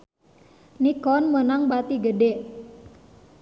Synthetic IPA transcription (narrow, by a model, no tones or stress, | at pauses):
nikɔnmənaŋbat̪iɡəde